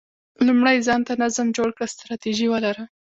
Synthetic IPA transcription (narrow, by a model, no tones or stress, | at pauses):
lumɽajzɑnt̪anazamd͡ʒoɽkɽəst̪ɾɑt̪iʒiwəlaɾə